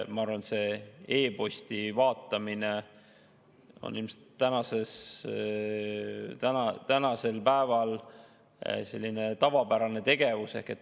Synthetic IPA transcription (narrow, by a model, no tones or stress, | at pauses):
mɑɑrvɑnet̪se̞e̞ːpo̞sʲt̪ivɑːt̪ːˑɑmine | o̰nːḭlmse̥t̪ːænɑse̞s | t̪ænɑt̪ænɑse̞lpæevɑl | se̞̰lʲːinet̪ɑvɑpæɾɑne̞t̪e̞ɡe̞vuse̞̰hket̪ː